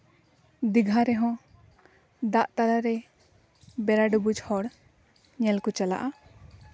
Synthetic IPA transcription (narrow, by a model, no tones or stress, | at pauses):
d̪iɡʱaɾɛɦɔ̃ | d̪aʔt̪alaɾɛ | bɛɾaɖubud͡ʒhɔɽ | ɲɛlkut͡ʃala̰ʔa